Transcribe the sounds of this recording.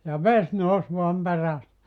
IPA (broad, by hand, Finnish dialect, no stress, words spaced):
jɑ ʋes nous ʋoɑm peræs